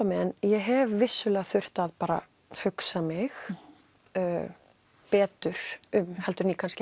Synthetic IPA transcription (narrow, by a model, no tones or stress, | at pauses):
amɛnjɛɦɛvːɪsːʏlɛːɣaθʏr̥t̪aðpaːɾa̰ | hʏksamɪx | pɛːt̪ʏɾ̥ʏmhɛlt̪ʏɾnikʰansc